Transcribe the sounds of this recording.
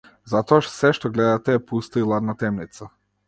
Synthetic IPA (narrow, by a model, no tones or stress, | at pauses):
zat̪ɔaʃsɛʃt̪ɔɡlɛd̪at̪ɛːpust̪ailˠad̪nat̪ɛmnit̪sa